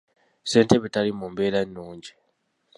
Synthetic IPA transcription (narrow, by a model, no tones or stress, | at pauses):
se̞ːnteβetalimumbeːlanːuːɲɟi